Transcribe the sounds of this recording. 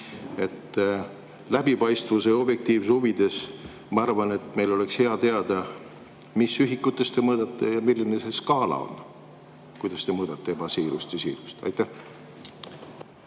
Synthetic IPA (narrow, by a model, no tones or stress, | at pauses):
e̞t̪ː | læbipɑjst̪vuse̞o̞bje̞k̚t̪iːvsuvid̪̥e̞s | mɑɑɾvɑne̞t̪me̞jlo̞le̞kshe̞ɑt̪e̞ɑd̪̥ɑ | misyɦikːut̪ːˑe̞st̪e̞mɤːd̪̥ɑt̪ːˑe̞jɑmilːinese̞skɑːlɑ̰o̰n | kujd̪̥ɑst̪e̞mɤːd̪̥ɑt̪ːˑe̞ebɑsiːɾust̪jɑsiːɾu̥st̪ɑ̰jt̪ˑːæ